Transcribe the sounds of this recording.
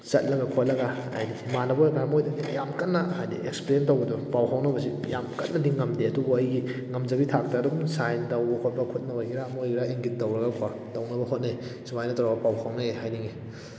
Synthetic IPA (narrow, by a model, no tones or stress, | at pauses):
sɐ̰t̚lɐɡɐkʰot̚lɐɡa | a̰jdimanɐbobaɾamojdɐnijamkɐt̚nɐhajdḭekspeɾentowbɐdɔpawɦʰawnɐbɐsijamkɐt̚nɐdiŋɐmdeɐdubuɐjɡiŋɐmd͡ʒɐbitʰak̚taːduɡsajntɐwbɐhot̚bɐkʰot̚nɐbɐɡiɾamojɡiɾaʔeŋɡit̚dɐwɾɐɡɐkʰa | tɐwnɐbɐɦot̚najsumajnɐtawɾabɐpawhʰawnɐehajniŋi